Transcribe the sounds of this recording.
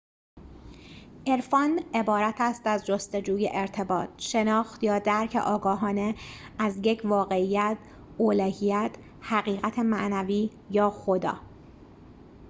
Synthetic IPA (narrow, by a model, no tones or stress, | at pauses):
ʔe̞ɾfɒːne̞bɒːɾæt̪ʰæst̪æzd͡ʒo̞st̪e̞d͡ʒuːjḛʔeɾt̪ʰe̞bɒ̰ːt̪ʰʃe̞nɒːxt̪jɒːd̪æɾcʰḛʔɒːɡɒːɦɒːne̞ | æzjecʰvɒːɣe̞ijæt̪ʰ | oːlæːhiːjæt̪ʰ | hæɣiːɣæt̪ʰemæʔnæviː | jɒːxo̞d̪ɒ̰ː